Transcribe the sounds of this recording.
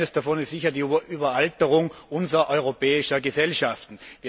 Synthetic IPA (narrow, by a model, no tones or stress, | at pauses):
nəsd̥afɔnɪstz̥ɪçɐdiːʔyːbɐaltəʁʊŋʔʊnzɐʔɔʏʁ̞opɛːɪʃɐɡəzɛlʃaftn̩viː